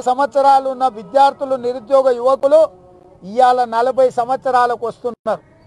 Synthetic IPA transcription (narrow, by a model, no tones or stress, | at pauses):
sɐmɐt̪sɐɾaːlunːɐʋid̪jaːɾt̪ʰiluniɾud̪jɔːɡɐjuʋɐkulu | ijaːlɐnɐlɐbʱɐjsɐmɐt̪sɐɾaːlɐkuʋɐst̪unnːaɾu